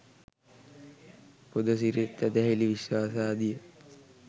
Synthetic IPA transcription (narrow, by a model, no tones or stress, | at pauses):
pod̪əs̬iɾit̪ːɛd̪ɛɦiliʋiswaːsaːd̪ijə